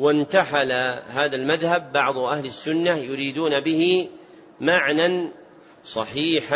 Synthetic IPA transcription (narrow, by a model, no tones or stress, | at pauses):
wɪnt̪aħalahaːðalmaðhabːɑʕd̪ˤʊʔahlɪsːʊnːajʊɾiːd̪uːnabɪhɪ | maʕnan | sˤɑħiːħa